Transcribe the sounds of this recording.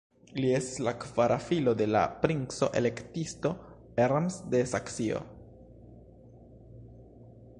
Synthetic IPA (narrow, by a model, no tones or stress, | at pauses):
lie̞staslakvaɾʔafilo̞de̞la̰pɾinso̞̰ʔe̞̰le̞ktisto̞ | eɾamsde̞saksio̞̰